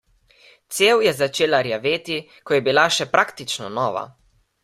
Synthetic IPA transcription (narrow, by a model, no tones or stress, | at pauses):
t̪sewjɛzat͡ʃeːlaɾjaʋeːt̪i | kɔjɛbilaʃɛpɾakt̪it͡ʃnɔnɔːʋa̰